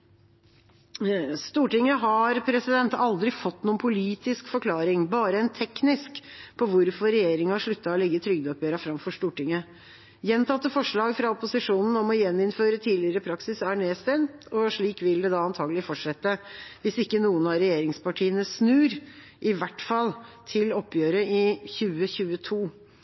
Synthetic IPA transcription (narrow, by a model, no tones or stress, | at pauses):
st̪uːʈɪŋːəɦɑɾpʰɾɛsɪd̪ɛnt̪ɑld̪ɾɪfɔt̪ːnuːənpʰʊliːt̪ɪskfɔɾkʰlɑːɾɪŋbɑːɾəɛnt̪ʰɛknɪskpʰɔʋʊɾfɔɾɛjeːɾɪŋəɑʂɭʉt̪ːɑɔlɛɡːət̪ʰɾʏɡd̪ɔpjøːɾɑfɾɑmfɔʂt̪uːʈɪŋːə | jɛnt̪ʰɑt̪ːəfɔʂɭɑːɡfɾɑɔpʊsɪʂuːnn̩ɔmɔjɛnːɪnføːɾət̪ʰiːlɪəɾəpʰɾɑksɪsæɳeːst̪ɛnt̪ɔʂɭiːkʋɪld̪ɛd̪ɑːɑnt̪ʰɑːɡəlɪfɔʈʂɛt̪ːəʋɪsɪkːənuːənɑɾɛjeːɾɪŋspɑʈʰiːənəsnʉːɾ | ʔɪʋæʈfɑlːt̪ʰɪlɔpːjøːɾəɪçʉːəçʉːət̪ʰuː